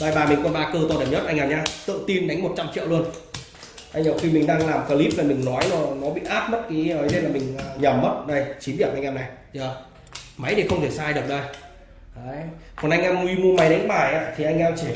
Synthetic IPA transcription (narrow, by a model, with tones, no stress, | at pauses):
ɓaː˧˩jɓaː˨˩mi˨˩ŋ̟kɔ˧˩nɓaː˧kəː˧t̪ɔ˧˩ɗi˨˩mɲə˦˥t̚ʔa˧ŋ̟ʔaː˧˩mɲaː˧t̪ɨ̰˧˨ŋt̪i˧nɗa˨˦jŋ̟mo˨˩t̚t͡ɕa˧mt͡ɕḭ˧˨wlu˧ən | ʔa˧jŋə˨˩wxi˧mï˨˩ŋ̟ɗaː˧ŋlaː˨˩mkaː˧˩li˦˥p̚laː˨˩mï˨˩ŋ̟nɔ˨˦jnɔ˨˩nɔ˨˦ɓḭ˧˨ʔaː˦˥t̚mə˦˥t̚ki˨˦əː˨˦jze˧nlaː˨˩mï˨˩ŋ̟ə˨˩ɲə˨˧˩mːə˦˥t̚ɗə˧jt͡ɕi˨˦ɗi˧˩mʔa˧ŋʔaː˧mna˨˩jzəː˨˩ | ma˨˦jɗi˨˩wxə˧wŋ͡mt̪ʰe˧˩saː˧jɗɨ˨˩ək̚ɗə˧j | ʔaː˨˦jkɔ˨˩nʔa˧jŋ̟ʔaː˧mwi˧mu˧əma˨˦jɗa˨˦jŋ̟ɓaː˧˩jʔa̰ː˧˨t̪ʰi˨˩ʔa˧ŋʔa˧wt͡ɕi˧˩